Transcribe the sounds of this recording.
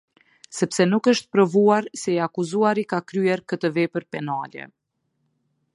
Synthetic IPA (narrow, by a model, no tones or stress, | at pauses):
sɛpsɛnukəʃt̪̚pɾɔvuaɾsɛiakuzuaɾikakɾyɛɾkət̪əvɛpəɾpɛnalɛ̰